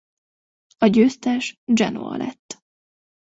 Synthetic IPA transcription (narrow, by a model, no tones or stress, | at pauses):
ɒɟøːst̪ɛʃd͡ʒɛno̰ɒ̰lʔɛ̰t̪ː